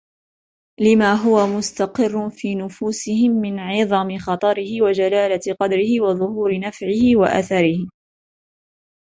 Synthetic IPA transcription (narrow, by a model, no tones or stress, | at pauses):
lɪmaːɦʊwamʊst̪aqɪrːʊfiːnʊfuːsɪhɪmːɪnʕɪðˤɑmɪxɑt̪ˤɑɾɪhɪwad͡ʒalaːlaqɑd̪ɾɪhɪwɑðˤʊhuːɾɪnafʕɪhɪwa̰ʔa̰θaɾɪhɪ